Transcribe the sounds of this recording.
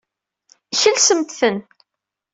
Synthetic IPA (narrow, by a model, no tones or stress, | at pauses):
çəlsəmt̪θən